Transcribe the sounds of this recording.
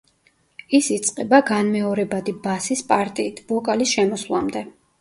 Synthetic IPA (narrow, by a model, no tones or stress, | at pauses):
isit̪sʼqʼɛbaɡanmɛɔɾɛbad̪ibasispʼaɾt̪ʼiːt̪ʰbɔkʼalisʃɛmɔsvlˠamd̪ɛ